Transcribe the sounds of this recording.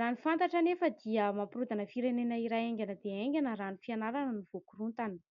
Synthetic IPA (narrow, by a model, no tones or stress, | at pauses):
anifant̪aʈ͡ʂanefəd̪iəmamprud̪anəfiɾenenəiɾajeŋɡʲanəd̪eeŋɡʲanəɾanifianaɾanəniv̥okurunt̪anə̥